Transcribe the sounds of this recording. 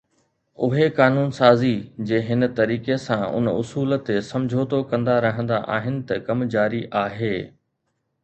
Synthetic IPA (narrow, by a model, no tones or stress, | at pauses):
ʊɦekaːnuːnsaːzid͡ʑẽːɦɪnt̪ɐɾiːkesãʊ̰nʊsuːlt̪esɐ̃md͡ʑʱot̪okɐ̃nd̪aɾɐɦə̃nd̪aʔa̰ːɦɪnɪ̆t̪ɐkɐmd͡ʑaːɾiʔaːɦeː